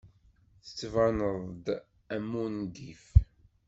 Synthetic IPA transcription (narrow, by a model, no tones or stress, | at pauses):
θə̥t͡sːvɑnəðˤd̪ | æmːund̪if